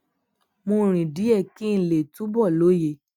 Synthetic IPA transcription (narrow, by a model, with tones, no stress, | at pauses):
mõ˧˦ɾ̃ĩ˨di˨˦ɛ˦˨kĩ˦n̩˨le˨tũ˨˦bɔ˦˨lo˨˦je˧˨